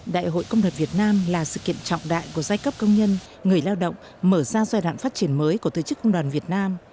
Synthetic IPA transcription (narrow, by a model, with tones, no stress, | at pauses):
ɗa̰ː˧˨jɦo̰˧˨jkə˧wŋ͡mɗwaː˨˩nvi˨˩ət̚naː˧mlaː˨˩sɨ̰˧˨kḭ˧˨ənt͡ɕɔ̰˧˨wŋ͡mɗa̰ː˧˨jku˧˩əzaː˧jkə˦˥p̚kə˧wŋ͡mɲə˧n | ŋɨ˨˩əjlaː˧wɗə̰˧˨wŋ͡m | məː˧˩zaː˧zaː˧jɗwa̰ː˧˨nfaː˦˥t̚t͡ɕi˧˩ənməː˨˦jku˧˩ət̪o̰˧˨˩t͡ɕɨ˦˥kːə˧wŋ͡mɗwaː˨˩nvi˨˩ət̚naː˧m